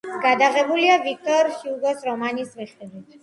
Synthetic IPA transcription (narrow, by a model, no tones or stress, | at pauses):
ɡ̥ad̪aʁɛbuliavik̚t̪ɔɾʃiuɡɔsɾɔmanismiχid̪wit̪ʰ